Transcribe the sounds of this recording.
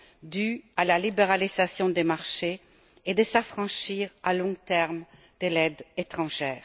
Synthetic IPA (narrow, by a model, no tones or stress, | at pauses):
d̪yalalibeʁalizasjɔ̃d̪emaʁʃe | ed̪əsafχɑ̃ʃiʁalɔ̃t̪ɛʁm | d̪̥əlɛd̪et̪χɑ̃ʒɛːʁ